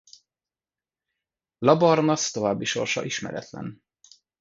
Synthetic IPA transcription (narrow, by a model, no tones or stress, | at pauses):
lɒbɒrnɒst̪o̞vaːbːiʃo̞̰rʃɒ̰ʔiʃmɛ̰ɾɛ̰t̪lɛ̰n